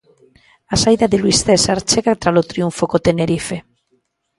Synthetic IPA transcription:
asajðaðelujst̪esaɾt͡ʃeɣat̪ɾalot̪ɾiuɱfokot̪eneɾife

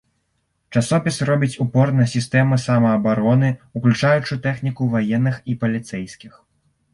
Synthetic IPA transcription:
t͡ʂasɔpʲisrɔbʲit͡sʲupɔrnɐsʲist̪ɛmɐsamɐːbaɾɔnɨuklʲut͡ʂajut͡ʂut̪ɛxnʲikuvajɛnːɨxipɐlʲit̪sɛjsʲkʲix

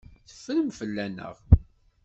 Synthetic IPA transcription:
θə̥fːələmfəlːænə̰ʁ

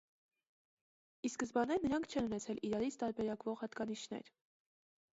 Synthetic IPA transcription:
iskəzbɑnɛɾnəɾɑŋkʰt͡ʃʰɛnunɛt͡sʰɛliɾɑɾit͡sʰt̪ɑɾbɛɾɑkvɔʁhɑt̪ɡɑniʃnɛ̰ɾ

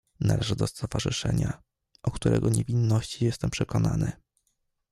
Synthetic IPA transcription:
nalɛʐɘd̪ɔst̪ɔvaʐɘʂɛɲa | ʔɔkt̪uɾɛɡɔɲɛvʲinːɔɕt͡ɕijɛst̪ɛmpʂɛkɔnanɘ

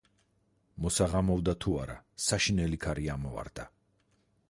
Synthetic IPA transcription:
mɔsaʁamɔvd̪at̪ʰuaɾasaʃinɛlikʰaɾiamɔva̰ɾd̪a

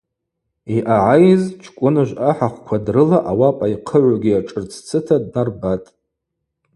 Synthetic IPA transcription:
iʔaʕajzt͡ʃʰkʷʼʊnɨʒᶣʷaħaχʷkʷʰadrɨlaʔawapʼajqʰəʕʷaɡʲiaʈ͡ʂʼɨrt͡sʰt͡sʰɨtʰadnarbatʼ

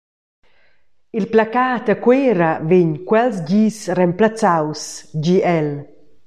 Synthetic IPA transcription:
ilplakaːt̪əkweːɾaveɲkwɛlsɟiːsrɛmplat͡sawsd͡ʒiɛl

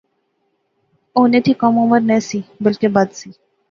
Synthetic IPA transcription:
oːnet̪ʰikɔmoːməɾnɛ̃sibəlkebɐd̪siː

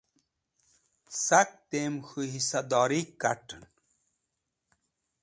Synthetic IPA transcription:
sak̚t̪eːmxuɦisɐd̪ɔːɾikːa̰ʈən

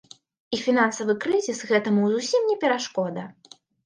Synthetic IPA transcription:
ifʲinansɐvɨkɾɨzʲisɣɛt̪ɐmuzusʲimnʲɛpʲɛɾaʂkɔd̪ɐ

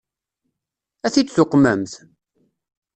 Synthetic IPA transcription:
æθid̪θʊqːmæmθ

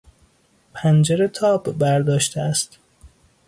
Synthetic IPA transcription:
pʰænd͡ʒeɾet̪ʰɒːbːæɾd̪ɒːʃt̪ʰeæst̪

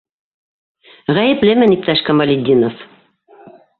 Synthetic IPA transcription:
ʁæjɘ̆plɘmɘnip̚t̪ɑʃkɑmɐlʲid̪ʲːinof

